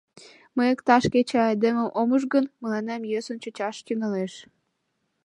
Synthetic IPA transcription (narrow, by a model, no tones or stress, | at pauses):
məjəkt̪ɑʃket͡ɕeɑjd̪emə̆ʔoməʒɡənmə̆lɑnæmjøsont͡ɕə̆t͡ɕɑʃt̪yŋɑleʃ